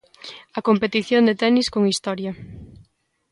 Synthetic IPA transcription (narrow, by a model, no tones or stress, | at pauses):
ɐkompet̪iθjond̪et̪ɛniskoŋist̪ɔɾjɐ